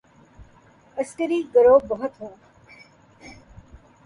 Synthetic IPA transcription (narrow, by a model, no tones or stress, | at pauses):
ɐskəɾiːɡəɾoːbɐɦʊt̪ɦũː